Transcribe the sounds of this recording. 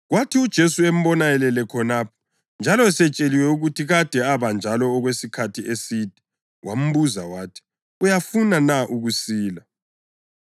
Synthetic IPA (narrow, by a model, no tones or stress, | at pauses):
ɣwatʰiud̥ʒ̥ʱesuem̩βɔnajɛlɛlɛkʰɔnaːpʰɔ̥ | nd͡ʒʱalɔɛsɛt͡ʃʼeliwɛuɣutʰiɣad̥ʱɛaβand͡ʒʱalɔːɣwesikʰatʰiesid̥ʱɛ̥ | wʔam̩βuza̰waːtʰi̥ | ujafunanaʔuɣusiːla